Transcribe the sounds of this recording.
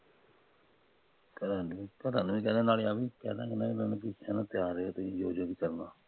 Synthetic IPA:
kəɾaːnikəɾaːnʋĩːkɛːd̪ẽːnaːleaːbiːkɛ̰ːd̪ãːkənãːimɛ̃nũk̬ɪsãːnãːt̪ɪjaːɾeːaːt̪õjoːd͡ʒːkiːkəɾnãː

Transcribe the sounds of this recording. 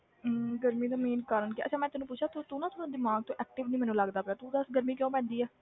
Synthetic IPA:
ɡəɾmĩːd̪aːmiːnkaːɾənkiʔə̰t͡ʃãːmɛ̃ːt̪ʊɛːnũpʊt͡ʃʰaːt̪ut̪ũːnãːt̪ʊãːd̪ɪmaːɡ̚t̪õːʔɛːk̚ʈɪʋnĩːmɛːnũːləɡd̪aːpɛːt̪ũd̪əsɡəɾmiːkjõːpɛ̃ːnd̪iːɛː

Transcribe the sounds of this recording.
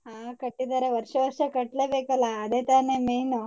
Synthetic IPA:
ɦãkəʈːid̪aɾeʋəɾʂəʋəɾʂəkəʈlebekɐlaːd̪et̪anemejno

